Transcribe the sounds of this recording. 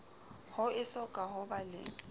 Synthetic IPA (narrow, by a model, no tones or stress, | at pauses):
hʊɪsɔkʼaɦʊbalɪ̰